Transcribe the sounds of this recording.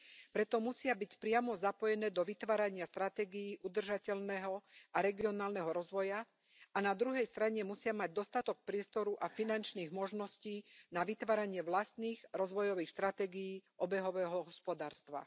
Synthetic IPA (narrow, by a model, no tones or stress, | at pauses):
pɾɛt̪ɔmusɪabicpɾɪamɔzapɔjɛnɛːd̪ɔʋit̪ʋaːɾaɲɪast̪ɾat̪ɛːɡijiːʔud̪r̩ʒacɛʎnɛɦɔaɾɛɡiɔnaːlnɛɦɔɾɔzʋɔja | anad̪ɾuɦɛjst̪ɾaɲɛmusɪamaɟ̚d̪ɔst̪at̪ɔk̚pɾɪɛst̪ɔɾuʔafinant͡ʃniːɣmɔʒnɔsciːnaʋit̪ʋaːɾaɲɪɛʋlast̪niːɣɾɔzʋɔjɔʋiːxst̪ɾat̪ɛːɡijiːʔɔbɛɦɔʋɛːɦɔɦɔspɔd̪aːɾst̪ʋa̰